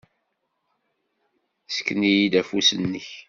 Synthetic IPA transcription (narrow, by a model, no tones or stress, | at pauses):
sə̥kːnijid̪æfusənːəç